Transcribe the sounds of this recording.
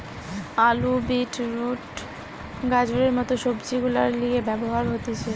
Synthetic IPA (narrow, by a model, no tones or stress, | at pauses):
alubiʈɾuʈ | ɡad͡ʑoɾeɾmɔt̪oʃobd͡ʑiɡulaɾliebɛboɦaɾɦot̪et͡ɕʰe